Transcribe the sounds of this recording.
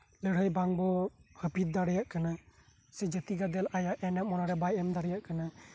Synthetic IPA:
ləɽ̤əjbaŋbɔhəpit̪̚d̪aɽɛjaʔkana | sɛd͡ʒət̪iɡad̪ɛlajaʔɛnɛʔ̚mɔnaɾɛbajɛmd̪aɽɛjaʔkana

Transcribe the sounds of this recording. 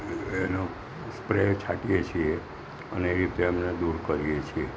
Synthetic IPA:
eno | spɾet͡ʃʰaʈijet͡ʃʰie | ə̰neeɾit̪eəmned̪uɾkəɾijet͡ʃʰie

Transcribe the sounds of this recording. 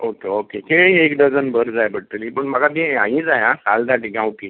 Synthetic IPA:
okeokekeɭĩekɖəd͡zənbəɾd͡zajbəɽʈ̪ːəlĩpəɳməɡat̪̬ĩãɦĩd͡zajãsald̪aʈiɡãwki

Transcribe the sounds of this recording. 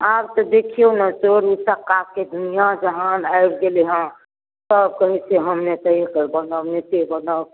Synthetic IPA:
abt̪ɔd̪ekʰionasoɾusəkaked̪unijad͡ʒəɦanaɪɽɡeleɦə̃ | səb̚kəɦit͡ʃʰeɦəmnet̪əikəɾbənənetebəna

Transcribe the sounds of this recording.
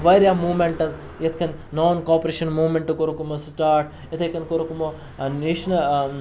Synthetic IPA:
ʋɐjɾʲjamuːmeɳʈɐz | jɐt̪ʰkʰɐnnoːnkoːpɐɾeːʃɐnmuːmeɳʈɨkoɾukumɐsʈaːɾʈ | jɐt̪ʰɐkɐnkoɾukumo | niʃnɐ

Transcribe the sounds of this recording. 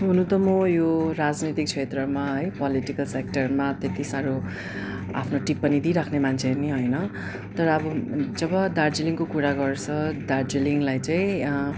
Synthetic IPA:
ɦunũt̪ʌmʌjoɾad͡znʌt̪ik̚t͡sʰet̪rʌmaɦʌjpʌliʈikʌlsek̚ʈʌrmat̪et̪isaɾo | a̰pʰnoʈipːʌnid̪iɾakʰnemant͡sʰeniɦʌjnʌ | t̪ʌɾʌːbʌd͡zʌbʌd̪ard͡ziliŋkokuɾaɡʌrt͡sʰʌd̪ard͡ziliŋlajt͡saĩ

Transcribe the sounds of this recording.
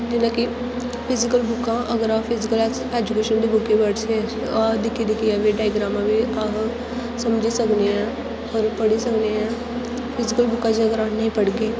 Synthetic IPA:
d͡ʒinaki | pʰɪzikəlbukãɐɡəɾapʰizikəl | ɛd͡ʒukeʃənd̪ibukẽbəɽsead̪ɪkʰid̪ikʰijabiɖaːjɡɾamabiaɦ | sɐmd͡ʒʱisɐkneã | ɔɾpɐɽisɐkneã | pʰɪzikəlbʊkãd͡ʒiəɡəɾanɐɦĩpɐɽɡe

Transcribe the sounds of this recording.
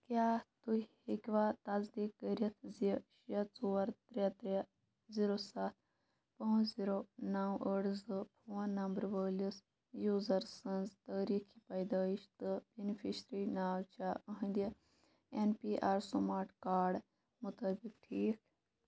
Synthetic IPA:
kjaːt̪u | ekʲʋaːt̪azd̪ikːəɾʲɐt̪ʰzʃɐt͡soːɐɾt̪ɾet̪ɾe | ziɾosat̪̚ʰ | pɐ̃wziɾonawʔəɽzɨpʰuːɐnːɐmbəɾʋəːlis | juːzɐɾsənzt̪əːɾiːkʰipɐjd̪aiʃt̪ɨbenifʰiʃɾinaːwt͡ʃaəɦə̃nd̪ə | enpiʔaːɾsumaːɾʈkaːɾɖ | mut̪əːbikʈʰiːk

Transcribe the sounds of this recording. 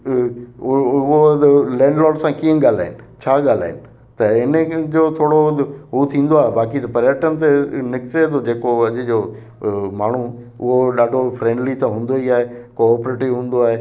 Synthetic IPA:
ʊɦolɛ̃ːɳɖlɔːlsãkĩə̃ɠaːl̤a̰ːɪnɪ̆t͡ɕʰaːɠaːl̤a̰ːɪnɪ̆ | t̪ɐɪnd͡ʑoːt̪ʰoːɽoɦut̪ʰĩːnd̪oaːɦebaːkit̪ɐpɐɾjəʈənɪ̆t̪̬enɪkʈed̪od͡ʑeːkoɐʄʊd͡ʑoː | maːɳ̤u | ʊɦoɗaːɖʱofɾẽːɳɖlit̪ãɦũːn̆d̪oiaːɦekoːpɾeːʈiʋɦũːn̆d̪oaːɦe

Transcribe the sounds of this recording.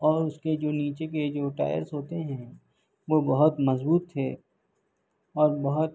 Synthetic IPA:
ɔːɾʊsked͡ʒoːniːt͡ʃeked͡ʒoːʈa̰ːjə̰ɾsɦoːt̪eɦɛ̃ | ʋobɐɦʊt̪mɐzbuːt̪ʰːeː | ɔːɾbɐɦʊt̪

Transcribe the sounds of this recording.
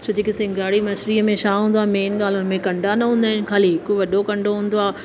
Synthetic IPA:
t͡ɕʰod͡ʑekɪsɪ̃ŋɡaːɽimɐsɾiəmẽʃaːɦũːn̆d̪oaːmeːnɠaːl̤ʊnɪ̆mẽkɐ̃ɳɖʱanɐɦũːnd̪aːɪnɪ̆xaːliɦɪkoʋɐɗokɐ̃ɳɖʱoɦũːn̆d̪oaː

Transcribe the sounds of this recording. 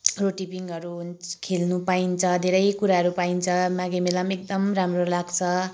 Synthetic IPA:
roʈipiŋɡʌɾukʰelnupaint͡sʰʌd̪ʱeɾʌjkuɾaɦʌɾupaint͡sʰʌmãɡemelamek̚d̪ʌmramrolaɡt͡sʰʌ

